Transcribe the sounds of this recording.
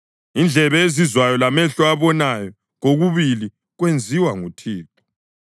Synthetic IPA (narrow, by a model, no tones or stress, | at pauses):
ind͡ɮʱɛβɛezizwajɔlamɛɬɔaβɔnajɔ | ɣoɣuβili | ɣwend͡zʱiwaŋutʰiːp̚ʰɔ̥